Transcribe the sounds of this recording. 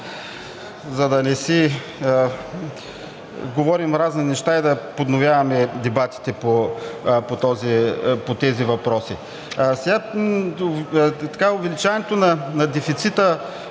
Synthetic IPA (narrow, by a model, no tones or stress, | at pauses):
zɐd̪ɐnɛsi | ɡovɔɾimɾazninɛʃt̪aid̪ɐpod̪novʲjavɐmɛd̪ɛbat̪i̥t̪ɛpopot̪ɔzipot̪ɛzivɐpɾɔsi | sɛɡa | t̪ɐ̥kaʊvɛlit͡ʃanɛt̪onɐnɐd̪ɛfit̪sit̪ə